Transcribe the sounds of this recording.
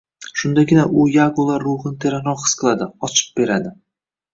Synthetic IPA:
ʃʊnd̪aɡʲɪnaʔʊjaɡolˠaːoʁɨnt̪ʰe̞ɾanɾɒχɨ̥sqʰɨlˠad̪ɪɒt͡ʃʰɪ̥p̚b̥e̞ɾad̪ɪ

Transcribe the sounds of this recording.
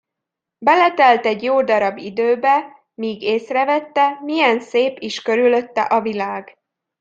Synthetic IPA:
bɛlɛt̪ɛlt̪ɛɟjoːd̪ɒɾɒbːid̪øːbɛ | miːɡeːsrɛvɛt̪ːɛmijɛnseːpiʃkø̞ɾylø̞t̪ːɛ̰ʔɒvilaːɡ

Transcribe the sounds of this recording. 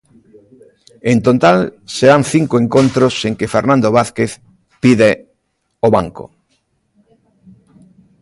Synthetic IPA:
ẽnt̪ot̪alseɾanθiŋkoẽŋkont̪ɾoseŋkefeɾnãnd̪oβaθkeθ | piðe | oβaŋko̰

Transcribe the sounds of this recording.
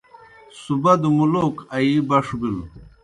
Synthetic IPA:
subɐd̪umulokɐibɐʂbil

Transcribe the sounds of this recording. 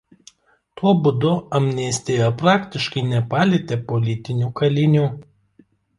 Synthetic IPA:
t̪uɔbʊd̪ʊɐmʲnʲisʲt̪ʲejɛpɾɑːkt̪ʲɪʃkɐɪnʲɛpɑːlʲɪt̪ʲeːpɔlʲɪt̪ʲɪnʲuːkɐlʲɪnʲuː

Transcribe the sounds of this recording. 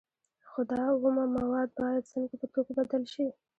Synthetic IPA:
xʊd̪ɑɣumamawɑd̪̚bɑjad̪səŋkapət̪oɡabad̪əlʃi

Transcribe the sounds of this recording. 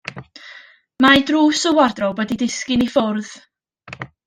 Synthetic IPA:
majdruːsʊwardrɔbədidɪskɪnifʊrð

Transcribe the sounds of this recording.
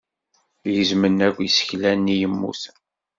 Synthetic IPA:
jəzmənːækʷːisə̥çlænːijəmːṵθ

